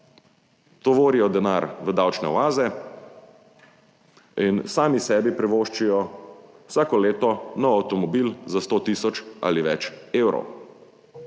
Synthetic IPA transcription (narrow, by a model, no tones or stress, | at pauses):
t̪ɔʋoːɾijɔd̪ɛnaɾʋəd̪awt͡ʃnɛ̰ʋaːzɛ | insaːmisɛːbipɾɛʋoːʃt͡ʃijɔ | wsaːkɔleːt̪ɔnɔawt̪ɔmɔbiːlzast̪ot̪iːsɔt͡ʃa̰liʋɛt͡ʃeːwɾɔ̰w